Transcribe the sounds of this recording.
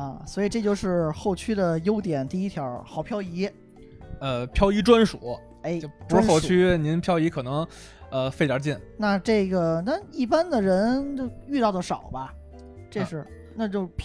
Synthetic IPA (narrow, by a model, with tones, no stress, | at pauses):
ə˧˩swɔ˧˥i˨˩ʈ͡ʂt͡ɕjo˥˧ʊʂɻ̩˥˧xo˥˩ʊt͡ɕʰy˥d̪ə˨jo˥ʊt̪jɛ˨˩nt̪i˥˩i˥t̪ʰjɑ˧˥ʊxɑ˨˩ʊpʰjɑ˥ʊi˧˥ | ə˧pʰjɑ˥ʊi˧˥ʈ͡ʂwa˥nʂu˨˩˦ | e˥˩ɪ˥˩pu˧˥o˥˧ʊy˥ni˧˥npʰjɑ˥ʊi˧˥kʰɤ˨˩nɤ˧˥ŋ | ə˧fe˥˧ɪt̪jə˧˥t͡ɕjɛ˥˩nna˥˧ʈ͡ʂɤ˥˩ɡə˩na˥˧i˥˩pa˥nd̪ə˨ɻə˧˥n˥˧y˥˧t̪ɑ˥˩ʊd̪ə˩ʂɑ˨˩ʊbɐ˦ | ʈ͡ʂe˥˧ʂɻ̩˥˩ | na˥˧t͡ɕo˥˧ʊpʰ